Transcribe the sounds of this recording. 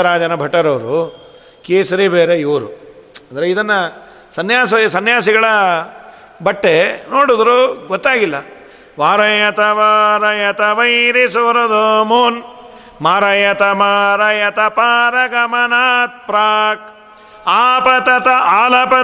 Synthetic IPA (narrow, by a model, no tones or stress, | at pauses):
ɾaːd͡ʒɐnɐbʱɐʈːɐɾɐʋɐɾu | keːsɐɾibeːɾeiʋɾuɐnd̪ɾeid̪ɐnːɐ | sɐnjaːsɐsɐnjaːsiɡɐɭɐ | bɐʈːenoːɽud̪ɾuɡɔt̪ːaːɡilːɐ | ʋaːɾɐjɐt̪ɐʋaːɾɐjɐt̪ɐʋɐjɾisuʋɐɾɐd̪ʱoːmun | maːɾɐjɐt̪ɐmaːɾɐjɐt̪ɐpaːɾɐɡɐmɐnaːt̪̚pɾaːk̚ | aːpɐt̪ɐt̪ɐaːlɐpɐ